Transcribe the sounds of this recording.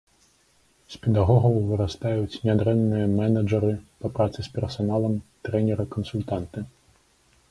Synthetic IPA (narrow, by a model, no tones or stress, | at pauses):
sʲpʲɛd̪aɣɔɣɐwvɨɾast̪ajut͡sʲnʲad̪ɾɛnːɨjɐmɛnɐd͡ʐɐɾɨpɐpɾat̪sɨspʲɛrsanalˠɐmt̪ɾɛnʲɛɾɐkɐnsulʲt̪ant̪ɨ